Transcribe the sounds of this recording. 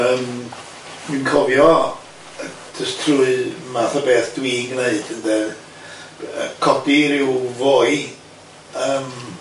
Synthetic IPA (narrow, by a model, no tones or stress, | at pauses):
əm | minkʰɔvjɔ | dəstʰruɨmaθəbeːθd̥wiːɡneɨd̥əndɛ | ə̰kʰɔdiɾɪwvoːɨ | əːm